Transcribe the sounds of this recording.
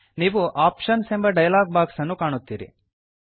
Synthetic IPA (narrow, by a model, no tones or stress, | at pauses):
niːʋuʔaːpʃɐnsembɐɖɐjlaːɡ̚baːksɐnːukaːɳut̪ːḭːɾḭ